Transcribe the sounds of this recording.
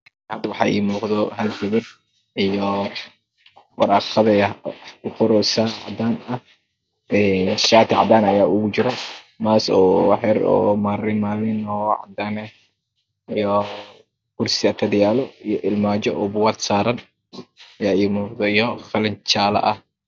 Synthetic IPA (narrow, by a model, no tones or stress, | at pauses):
hɐd̪ɐwɑħɑ̰ːʔḭːmuːqðɔɦɐlɡɐβɐd̪ | ijɔ | wɑɾɑːqɐðɐɐʊqʊɾɔsaːʕɑ̰d̪aːnɐh | ɛnʃaːt̪ʰɪʕɑ̰d̪aːnɐjaːʊɣʊt͡ʃɪɾɔ | maːsɔ̰ːwħɛɾɔ̰ːmaːɾɪnmaːlɪnɔːʕɑ̰d̪aːnɛ | ijɔ | kʊrsɪɐt̪ʰɐd̪ɪjaːlɔijɔʔɪlmaːd͡ʒɔʔɔːbʊwaːd̪saːɾɐn | ɐjaːiːmuːqd̪ɔijɔfɐlɪnt͡ʃaːlɐ̰ʔɐh